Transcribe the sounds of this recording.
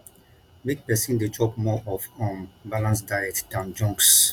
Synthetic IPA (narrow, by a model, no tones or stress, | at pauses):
biɡ̚pɛsĩndetʰɔpmɔʔɔfɔ̃nbalãnsdajɛk̚td̥ãnd͡ʒɔ̃ŋks